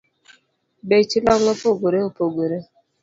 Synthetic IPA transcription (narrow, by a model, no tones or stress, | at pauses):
bet͡ʃilɔŋɔpoɡoɾeupoɡʷoɾe